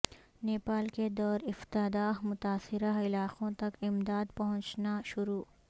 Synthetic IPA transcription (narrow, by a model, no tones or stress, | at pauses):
neːpaːlked̪ɔːɾɪft̪ad̪aːɦmʊt̪aːsɪɾaɪlaːqõt̪ɐkɪmd̪aːd̪pɐɦʊ̃t͡ʃnaʃʊɾuː